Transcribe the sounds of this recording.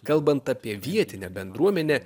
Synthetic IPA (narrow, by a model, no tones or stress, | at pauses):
kɐlˠbɐnt̪ɐpʲiɛʋʲiɛt̪ʲɪnʲɛbʲɛnd̪ɾuɔmʲɛnʲɛ